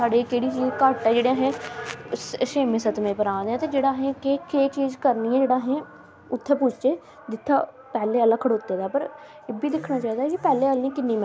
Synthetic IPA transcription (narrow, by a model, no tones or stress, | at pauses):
saːɽeːkeːɽiːt͡ʃiːd͡ʒkaːʈːaːd͡ʒeːɽejãːɦɛ̃ː | ʃeːmẽːsət̪mẽːpəɾãːd̪eãːt̪eːd͡ʒeːɽaːɦɛ̃ːkeːkeːt͡ʃiːd͡ʒkəɾniːɛ̃ːd͡ʒeːɽaːɦɛ̃ː | ʊt̪ʰːeːpʊːt͡ʃt͡ʃeː | d̪ɪt̪ʰːaː | pɛːleːəlaːkʰəɽoːt̪ːeːd̪aːpəɾ | eːbiːd̪ɪkʰnaːt͡ʃaːiːd̪aːkipɛːleːəlneːkɪnːiːm